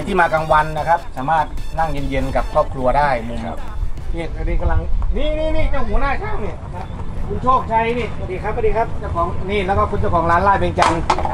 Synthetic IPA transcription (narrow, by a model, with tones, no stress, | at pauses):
jt̪ʰiː˥˩maː˧ka˧ŋwa˧nːa˧kʰa˦˥p̚saː˨˦maː˥˩t̪̚na˧˥˩ŋje˧˦nje˧nka˨˩p̚kʰɔː˥˩p̚kʰlu˧ɐdaː˥˩j̚niː˧˩ta˧˩diː˧˩ka˧˩la˧ŋniː˧˥˨niː˧˨niː˧˩˨ɲɔː˧˩ŋhuː˨˦naː˧˥˨t͡ɕʰaː˧˥˩ŋni˧˩ | kʰu˧˦nt͡ɕʰoː˥˩k̚t͡ɕʰa˧˩jniː˧˩a˧˩diː˧kʰa˦˥p̚a˧˩diː˧kʰa˦˥˩p̚t͡ɕa˧˩wkʰɔː˨˦ŋniː˧˩lɛː˧˥˩kɔː˧˩kʰu˧nt͡ɕa˧˩wkʰɔː˩˦ŋlaː˦˥nlaː˧˩pe˧nt͡ɕa˧n